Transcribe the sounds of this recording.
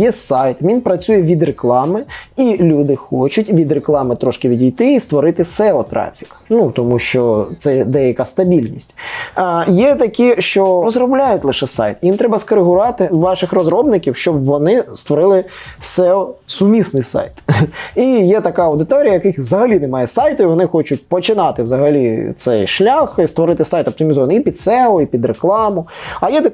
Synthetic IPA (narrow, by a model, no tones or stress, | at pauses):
jɛsɑjt̪ʋʲinpɾɐt͡sʲujɛʋʲid̪ɾeklˠɑmɪilʲud̪ɪxɔt͡ʃʊtʲʋʲid̪ɾeklˠɑmɪt̪ɾɔʃkɪʋʲidʲijt̪ɪist̪ʋɔɾɪt̪ɪsɛɔt̪ɾɑ̰fʲi̥knut̪ɔmuʃt͡ʃɔt̪sɛd̪ɛjɐkast̪ɐbʲilʲnʲḭsʲtʲː | jɛt̪ɐkʲiʃt͡ʃɔrɔzɾrɔblʲajʊtʲlˠɪʃɛsɑ̰jt̪jimt̪ɾɛbɐskɔɾɪɦʊʋɑt̪ɪʋɑʃɪxrɔzɾɔbnɪkʲiwʃt͡ʃɔbʋɔnɪst̪ʋɔɾɪlˠɪ | sɛɔsʊmʲisnɪjsɑ̰jt̪ijɛt̪ɐkɑɐwd̪ɪt̪ɔɾʲijɐjɐkɪxʋzɐɦɐlʲinɪmɑjɛsɑjt̪ʊiʋɔnɪxɔt͡ʃʊt̚ʲpɔt͡ʃɪnɑt̪ɪwzɐɦɐlʲit̪sɛjʃlʲaxist̪ʋɔɾɪt̪ɪsɑjt̪ɔp̚t̪ɪmʲizɔʋɐnipʲid̪sɛlˠɔipʲid̪ɾeklˠɑmʊɐjɛt̪ɐ